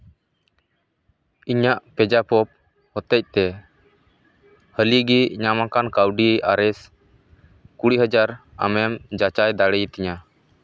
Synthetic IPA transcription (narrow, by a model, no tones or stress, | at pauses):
iɲaʔpɛd͡ʒapɔp̚ | hɔt̪ɛc̚t̪ɛ | həliɡiɲamakankawɖiaɾɛs | kuɽiɦəd͡ʒaɾa̰mɛmd͡ʒat͡ʃajd̪aɽɛjt̪ɛɲa